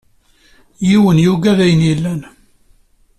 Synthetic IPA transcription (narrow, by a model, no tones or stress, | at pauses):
jiwənjuɡæðæjənjilːæn